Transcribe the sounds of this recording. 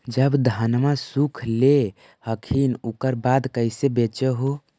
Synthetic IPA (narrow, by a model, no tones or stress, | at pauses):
d͡ʒəbd̪ʱanmasukʰle | həkʰinukəɾbad̪kəɪsebet͡ʃəɦu